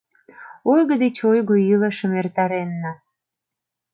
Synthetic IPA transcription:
ojɣə̆d̪et͡ɕojɣoiləʃəmert̪ɑɾenːɑ

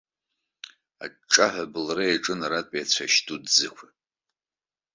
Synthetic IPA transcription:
a̰ʈ͡ʂʼaħʷᶣabɨlraaʈ͡ʂʼɨnaɾatʼiat͡ɕʷʰaʃtʰudzɨkʷʰa

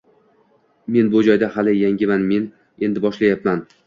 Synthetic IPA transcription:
me̞nbʊd͡ʒɒjd̪ahalɪjaŋɡʲɪmanme̞n | e̞nd̪ɪbɒʃlajapman

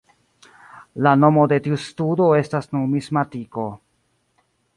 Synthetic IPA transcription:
lano̞mo̞de̞tiustudo̞e̞stasnunmismatiko̞

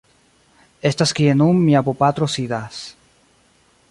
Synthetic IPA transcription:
est̪askienumːiapopat̪ɾosiðas

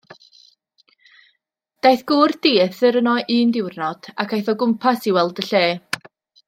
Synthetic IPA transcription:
d̥ajθɡ̥ʊːrd̥iːθɪɾənɔʔiːndɪwrnɔd̥a̰kʰajθɔɡʊmpʰasiwɛlˠdəɬeː

